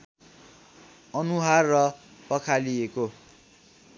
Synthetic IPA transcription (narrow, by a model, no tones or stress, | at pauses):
ʌnuɦarːʌpʌkʰalieko